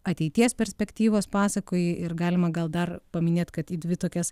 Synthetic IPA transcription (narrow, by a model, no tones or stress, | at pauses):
ɐt̪ʲɛɪt̪ʲiɛspʲɛɾʲsʲpʲɛkt̪ʲiːʋoːspɑːsɐkoːjɪɪɾɡɑːlʲɪmɐɡɐlˠd̪ɐrpɐmʲɪnʲeːt̪kɐt̪iːd̪ʲʋʲɪt̪oːkʲɛs